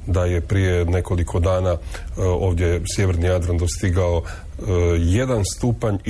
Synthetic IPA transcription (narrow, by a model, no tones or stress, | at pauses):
d̪aje̞pɾije̞ne̞ko̞likʰo̞d̪aːnao̞ːʋd̪ʲje̞sje̞ʋɾnijad̪ɾand̪o̞st̪iɡao | je̞d̪anst̪uːpaɲ